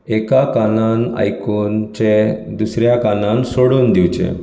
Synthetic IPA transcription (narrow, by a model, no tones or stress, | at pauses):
ɛkakanana̰jkuːnt͡ɕed̪usɾjakanãnsoɽuːnd̪iwt͡ɕḛ̃